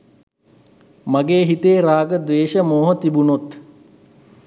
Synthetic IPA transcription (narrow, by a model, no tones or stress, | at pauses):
maɡeːɦit̪eːɾaːɡəd̪ʋeːʃəmoːɦət̪ibunot̪